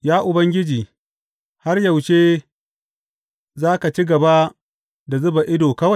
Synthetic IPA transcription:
jaː˦ʔʊ˨bɐ˦ŋɡʲɪ˦d͡ʒiː˨ | ha˦rjɐ˨wʃeː˦ | zaː˦ka˨t͡ʃi˦ɡɐ˨ba˦ | da˨zʊ˦ba˨ʔɪ˦doː˨kɐ˦wa˦j

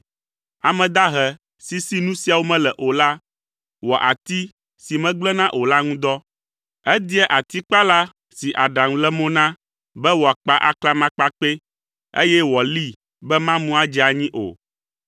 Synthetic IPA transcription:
a˨mɛ̃˨d̪a˦ɦɛ˨ | si˦si˦nũ˦si˦a˨wo˦mɛ̃˦lɛ˨ʔo˨la˦ | wɔ˨ʔa˨t̪i˦ | si˨mɛ̃˦ɡ͡blɛ˦nã˦ʔo˨la˦ŋũ˦d̪ɔ˦ | ɛ˦d̪i˦ɛ˦ʔa˨t̪i˦k͡pa˦la˦ | si˨ʔa˨ɖa˨ŋũ˨lɛ˦mõ˦nã˦ | bɛ˦wɔ˨a˨k͡pa˦ʔa̰˨kla˦mã˦k͡pa˦k͡pe˦ | ḛ˦jɛ˦wɔ˨li˦ | bɛ˦mã˦mũ˦a˦d͡ʒɛ˦a˨ɲĩ˦ʔo̰˨

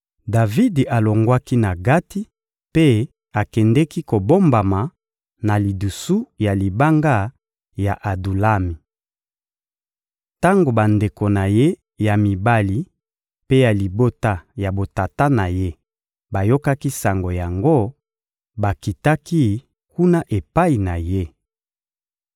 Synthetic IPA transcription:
da˨vi˦da˨lo˨ŋɡwa˦ki˦na˨ɡa˦ti˦ | pe˦ | a˨kɛ˨ndɛ˦ki˦ko˨bo˦mba˨ma˨ | na˨li˨du˨su˦ja˨li˨ba˦ŋɡa˦ | ja˨ʔa˨du˨la˦mi˨ | ta˦ŋɡo˨ba˨nde˨ko˨na˨je˦ | ja˨mi˨ba˦li˨ | pe˦ja˨li˨bo˦ta˦ja˨bo˨ta˨ta˦na˨je˦ | ba˨jo˦ka˦ki˦sa˨ŋɡo˨ja˨ŋɡo˦ | ba˨ki˨ta˦ki˦ | ku˦na˦ʔe˨pa˦i˨na˨je˦

